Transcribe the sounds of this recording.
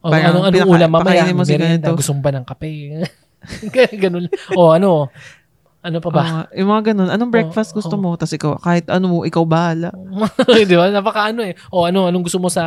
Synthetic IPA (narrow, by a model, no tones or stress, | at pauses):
ʔobaɐoŋɐnpɪnɐulɐmaɐkmɐɐjinɪmːosmɐɾɡɐnɪt̪oɡʊst̪omobɐnɐŋkɐpɛ | ɡɐnonʔoɐno̞ | ʔɐnopɐɐjʊŋmɐŋaɡɐno̞nʔɐno̞ŋbɹɛkfɐst̪̚ɡʊst̪omo̞t̪ɐsʔɪkawkaːhɪt̪ʔɐnoʔɪkawbahaːlaʔojd̪ɪbanɐpɐkɐʔɐnoɛʔoʔɐnoʔɐnoŋɡʊst̪omosɐ